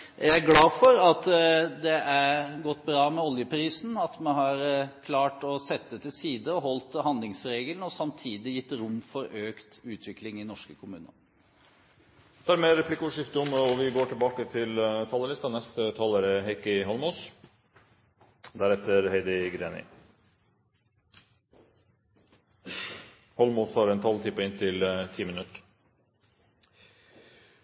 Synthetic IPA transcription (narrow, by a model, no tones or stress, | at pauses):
ææɡlɑːfɔɾɑt̪d̪ɛʔæɾɡɔt̪ːbɾɑːmɛɔljəpɾiːsn̩ɑt̪mɛnɦɑɾkʰlɑːʈɔsɛt̪̚ːd̪ɛt̪ɪsiːd̪əɔɦɔlt̪hɑnd̪lɪŋsɾeːɡəlnəɔsɑmt̪ʰiːd̪ɪjɪt̪ːɾʊmːfɔɾøːkt̪ʉːt̪ʰʋɪklɪŋɪnɔʂkəkʰʊmʉ̰ːnə̰ɾ | ɛt̪ʰɑːɾmeːɾɾɛpʰlɪkːəʊʂɪft̪əʊmɔʋɪɡoːʈʰɪlbɑːkət̪ʰɪlt̪ʰɑːləlɪst̪ɑnɛst̪ət̪ʰɑːləɾəɦɛkɪɦɔlmoːs | d̪æɾɛt̪ʰəɾheɪd̪ɪɡɾeːnɪ̰ | hɔlmoːshɑɾɛnt̪ʰɑlt̪ʰiːpəɪnt̪ʰɪlt̪ʰiːmənʉt̪əɾ